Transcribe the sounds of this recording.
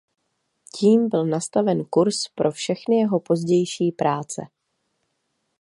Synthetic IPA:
ciːmbɪlnast̪avɛnkuɾspɾʔo̞fʃɛxnɪjɛɦo̞po̞zɟɛjʃiːpɾʔaːt͡sɛ̰

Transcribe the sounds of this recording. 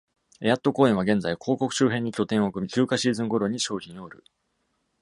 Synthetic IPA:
e̞jat̪ːo̞ko̞ːẽɰ̃βaɡẽ̞nd͡zaikʰo̞ːko̞kɯ̟̥ɕɨːɦẽ̞ɲ̟ːikʲo̞t̪ẽ̞ɰ̃okɯ̟mʲikʲɨːkaɕiːzɨ̃ŋɡo̞ɾo̞ɲ̟ːiɕo̞ːçĩɰ̃o̞ɯɾɯ̟

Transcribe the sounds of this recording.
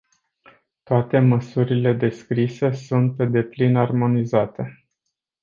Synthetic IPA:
t̪oat̪e̞məsuɾile̞d̪e̞skɾise̞sunt̪̚pe̞d̪e̞plinarmo̞nizat̪e̞

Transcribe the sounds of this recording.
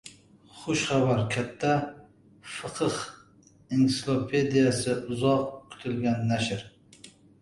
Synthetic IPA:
χʊʃχæbæɾkʲʰɛt̪ʰːæ | fɨqʰəχ | insɪlˠopʰed̪ijɛsɨʊzɑqkʲʰy̥t̪ʰɪlɡʲɛnːæʃɪɾ

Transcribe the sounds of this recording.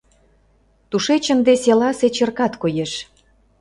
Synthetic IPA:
t̪uʃet͡ɕə̆nd̪eselɑset͡ɕə̆rkɑt̪kojeʃ

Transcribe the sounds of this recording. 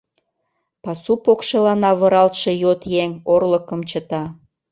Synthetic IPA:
pɑsupokʃelɑnɑβə̆ɾɑlt̪ʃe̽jot̪jeŋorləkəmt͡ɕət̪ɑ

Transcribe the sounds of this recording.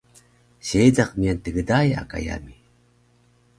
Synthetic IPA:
ɕejd͡zaqmiant̪əɡədaja̰ka̰ja̰mi

